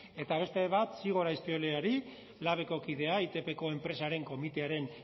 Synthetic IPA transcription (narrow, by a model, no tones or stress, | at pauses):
e̞t̪aβ̞e̞st̪e̞β̞at̪siɣ̞o̞ɾajsp̪ioleaɾi | laβ̞e̞ko̞kið̞e̞ait̪e̞pe̞ko̞e̞mpɾe̞saɾe̞ŋko̞mit̪e̞aɾe̞n